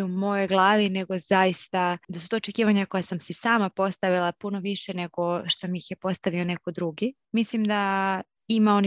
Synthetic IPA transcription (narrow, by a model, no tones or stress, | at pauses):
umo̞jo̞jɡlˠaːʋine̞ɡo̞z̥ajist̪ad̪asut̪oːt͡ʃe̞kiːʋaɲako̞jasamsisaːmapo̞st̪aʋilˠapuno̞ʋiʃene̞ɡo̞ʃt̪o̞miixjepo̞st̪aʋio̞ne̞ko̞d̪ɾuɡi | mislimd̪a | imao̞ni